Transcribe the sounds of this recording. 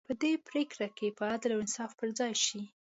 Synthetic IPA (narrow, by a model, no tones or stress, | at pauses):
pəd̪epɾekɾakepəad̪lawɪnsɑfpəɾd͡zɑjʃi